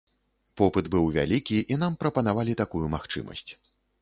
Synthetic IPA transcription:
pɔpɨd̪bɨwvʲa̰lʲikʲiʔinampɾɐpɐnavalʲit̪akujumaxt͡ʂɨ̰mɐ̰sʲt͡sʲ

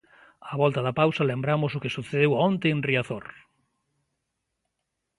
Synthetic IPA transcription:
aβɔlt̪aðapawsɐlembɾamʊsʊkɪsuθeðewɔ̃nt̪eːnriaθoɾ

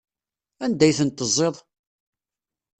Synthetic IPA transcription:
ænd̪æjθənt̪ːəzˤːeðˤ

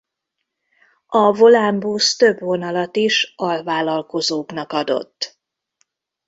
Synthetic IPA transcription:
ɒvo̞lambust̪ø̞bvo̞nɒlɒt̪iʃɒlvaːlɒlkozoːknɒkɒd̪o̞̰t̪ː

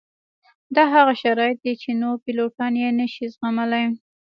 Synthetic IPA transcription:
d̪ɑɦaɣaʃaɾɑjɪt̪̚d̪et͡ʃenopiloʈɑnjenəʃizɣamalaj

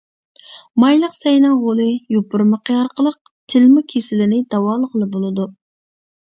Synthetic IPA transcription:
mɑjlˠəqsɛjnɑʁolˠɨjupʊɾməqʰəɑɾqʰəlˠəq̚ | t̪ʰɪlmʊkʲʰesɪlɪnɪd̪ɑwɑːlˠəʁəlˠɨbolˠɨd̪u

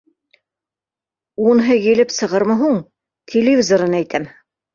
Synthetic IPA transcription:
unɦɤjĭlɘpsɤ̆ʁɤɾmɤɦuɴ | t̪ʲʰelʲɪvʲizoɾɤnæjt̪ʰæm

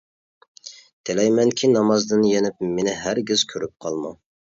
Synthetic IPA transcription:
t̪ʰelɛjmɛnkʲʰinɑmɑzd̪ɨnjenɪpmenɪɦæɾɡʲiz̥kʲʰøɾyp̚qʰɑlˠmɑ

